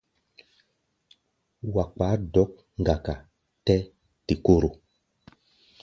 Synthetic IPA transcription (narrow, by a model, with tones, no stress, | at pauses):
wa˨k͡pa˨˦dɔ˨˦k̚ | ŋ̩˨ɡa˨ka˨ | tɛ˦ | ti˨ko˦˨ɾo˨